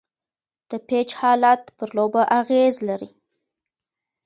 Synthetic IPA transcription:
d̪̥əpet͡ʃhɑlat̪pəɾlobaʔaɣezlaɾi

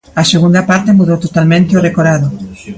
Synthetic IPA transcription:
aseɣ̞und̪apaɾt̪emuðowt̪ot̪almẽnt̪eorekoɾaðo

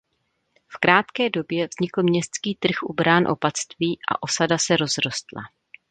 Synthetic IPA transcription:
fkɾaːt̪kɛːdo̞bjɛvzɲɪkl̩mɲɛst̪skiːt̪r̩xʔṵbɾaːnʔo̞̰pat͡st̪viːʔa̰ʔo̞sadasɛɾo̞zɾo̞st̪la̰

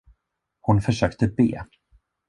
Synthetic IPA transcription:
hʊnfœʂøːkt̪əbḛː

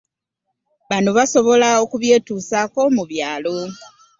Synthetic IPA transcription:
βanoβaso̞βo̞lao̞kuβje̞ːtuːsako̞muβjaːlo̞

